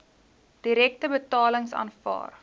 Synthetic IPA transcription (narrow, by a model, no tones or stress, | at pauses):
d̥iɾɛk̚təbətɑːləŋsɑ̰ːnfɑ̰ːr